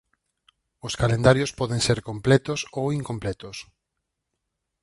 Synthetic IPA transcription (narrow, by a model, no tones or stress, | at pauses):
ʊskalend̪aɾjospɔðẽŋseɾkomplɛt̪osowiŋkomplɛt̪ʊs